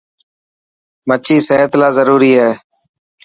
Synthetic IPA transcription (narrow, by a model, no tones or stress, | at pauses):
mət͡ʃʰiːseːɦət̪laːzəɾuːɾiːɦɛː